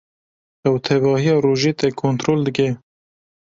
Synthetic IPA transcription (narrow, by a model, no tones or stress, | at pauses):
ɛwt̪ʰɛbɑːhijɑːɾoːʒeːt̪ɛkʰːoːnt̪ɾoːld̪ɨke